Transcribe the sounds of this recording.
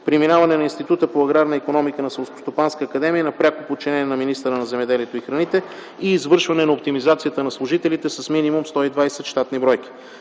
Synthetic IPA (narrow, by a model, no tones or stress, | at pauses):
pɾiminavɐnɛnɐinst̪it̪ut̪əpoɐɡɾaɾnəikonɔmikənɐsɛlˠskost̪opanskəːkɐd̪ɛmijənɐpɾʲakopot͡ʃinɛnɛnɐminist̪əɾənɐzɛmɛd̪ɛliɛt̪oixɾɐnit̪ɛ | iːzvɤɾʃvɐnɛnɐop̚t̪imizat̪sijət̪ənɐslˠʊʒit̪ɛlit̪ɛsɐsminimumst̪ɔid̪vajsɛt̪ʃt̪at̪nibɾɔjk̟i̥